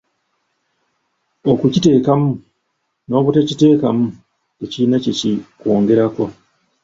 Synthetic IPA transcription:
o̞kucite̞ːkamu | no̞ːβutecite̞ːkamu | ecinaceciko̞ːŋɡe̞ɾako̞

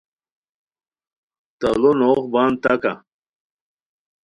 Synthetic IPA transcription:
t̪ɐlunoqbaːnt̪ɐka̰

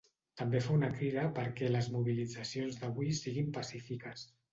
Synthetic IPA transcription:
t̪əmbefaunəkɾiðəpəɾkɛləzmuβ̞ilid͡zəsionzðəβuisiɣimpəsifikəs

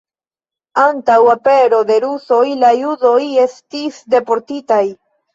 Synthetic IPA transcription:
antawape̞ɾo̞de̞ɾuso̞jlajudo̞je̞stisde̞po̞ɾtitaj

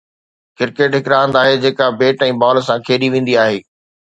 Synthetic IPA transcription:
kɪɾkeːʈɦɪkɾaːʋə̃nd̪aːɦed͡ʑeːkabeːʈɛ̃ːbɔːlsãkʰeːɗiʋẽːnd̪iaːɦeː

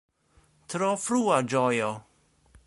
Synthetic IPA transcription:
t̪ɾɔfɾuːad͡ʒɔjo

